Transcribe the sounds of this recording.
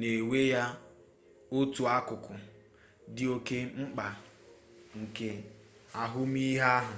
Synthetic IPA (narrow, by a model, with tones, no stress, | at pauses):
ne˨we˦ja˦ | o˦tu˨a˦kʊ˨kʊ˨ | dɪ˦o˦ke˦ŋ͡m̩˦k͡pa˨ | ŋ̩˨ke˦ | a˨ɦʊ˦m˦i˦ɦa˦a˦ɦʊ˨